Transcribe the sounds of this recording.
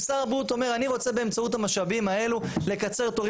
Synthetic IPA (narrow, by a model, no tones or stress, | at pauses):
saʁabut̪o̞me̞ʁaniʁo̞t͡se̞be̞ːmt͡sauthamaʃabimae̞lule̞kat͡se̞ʁt̪oʁ